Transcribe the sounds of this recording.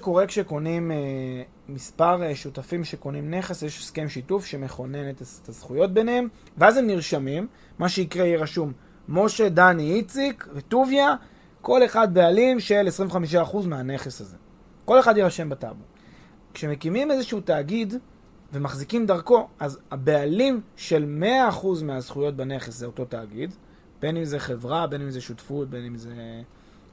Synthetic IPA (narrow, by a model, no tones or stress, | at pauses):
ko̞ʁe̞kʃeko̞nime | mispaʁeʃutafimʃeko̞nimne̞χesjeʃskemʃitufʃe̞meχo̞ne̞net̪tazχujo̞t̚be̞nhe̞m | veazemniʁʃamimː | aʃeikʁejeʁaʃumː | o̞ʃe̞daniit͡sikvetuvja | ko̞le̞χad̪̚bealimʃelesʁĩmveχamiʃ̬aːχuzmeane̞χesazḛ | ko̞le̞χad̪jiʁaʃe̞mbata̰bu | kʃe̞me̞kimime̞zeʃuutaːɡid | ve̞maχzikimd̪aʁko̞azabe̞alimʃe̞lme̞aːχuzmeazχujo̞t̚bane̞χeszeo̞to̞taːɡid | b̥e̞nimzeχe̞vʁabe̞nimzeʃutfut̚be̞nimze